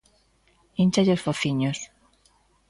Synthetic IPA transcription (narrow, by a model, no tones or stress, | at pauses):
int͡ʃaʎosfoθiɲos